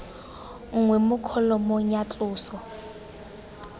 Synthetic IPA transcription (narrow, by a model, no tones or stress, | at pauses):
ŋ̩ŋwɛmʊkʰɔlɔmoɲat͡ɬʼʊːsɔ